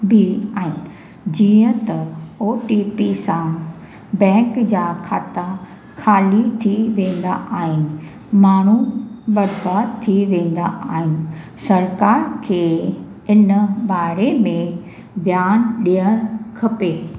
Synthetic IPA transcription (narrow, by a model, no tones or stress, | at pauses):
biaːɦɪnɪ̆ | d͡ʑiːə̃t̪ɐoːʈipisã | bɛ̃ːŋkd͡ʑaːkʰaːt̪a | kʰaːlit̪ʰiʋẽːn̆d̪aʔaːɦɪnɪ̆ | maːɳ̤uɓɐɾbaːd̪t̪ʰiʋẽːn̆d̪a̰ʔaːɦɪnɪ̆ | sɐɾkaːɾkʰeː | ɪnɓaːɾemẽ | b̪jaːnɗijəɾkʰɐpeː